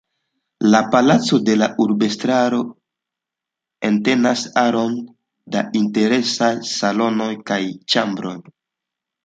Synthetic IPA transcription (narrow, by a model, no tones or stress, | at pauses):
lapalat͡so̞de̞laʔuɾbe̞stɾaɾo̞ | e̞nte̞nasaɾo̞n | da̰inte̞ɾe̞sajsalo̞no̞jkajt͡ʃambɾo̞j